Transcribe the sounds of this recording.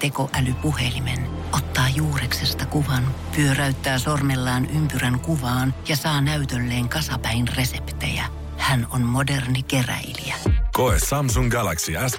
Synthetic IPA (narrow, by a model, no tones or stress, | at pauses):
t̪e̞koʔælypuhe̞limen | ʔot̪ːɑːjuːreksest̪ɑkuʋɑnpyøræyt̪ːæːsormelːɑːnʔympyræŋkuʋɑːnjɑsɑːnæyt̪ølːeːŋkɑsɑpæinre̞sept̪ḛjæ̰ | hænonmodernike̞ræ̰iliækoesɑmsuŋɡælæksiæs